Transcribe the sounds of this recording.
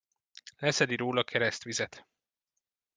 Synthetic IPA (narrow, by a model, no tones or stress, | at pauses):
lɛsɛd̪iɾoːlɒkʰɛɾɛst̪ʋizɛt̪